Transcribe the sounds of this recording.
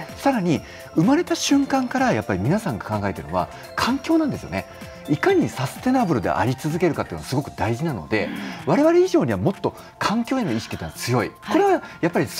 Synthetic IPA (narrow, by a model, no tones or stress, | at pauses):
saɾaɲ̟i | ɯ̟maɾe̞t̪aɕɨ̃ŋkãŋkaɾajapːaɾʲimʲinasãŋɡḁkãŋɡaet̪eɾɯ̟noa̰ | kʰãŋkʲo̞ːnãnd̪e̞sɨjone̞ | ikaɲ̟isase̥t̪e̞nabɯ̟ɾɯd̪e̞̰ʔa̰ɾʲit͡sɨzɨke̞ɾɯ̟kat̪ːeinasɨɡo̞kɯ̟d̪aiʑinano̞̰d̪e̞̰βaɾe̞βaɾe̞iʑo̞ːɲ̟iβamo̞t̪ːo̞ | kʰãŋkʲo̞ːe̞no̞iɕi̥kʲi̥t̪enat͡sɨjo̞iko̞ɾe̞βajapːaɾʲi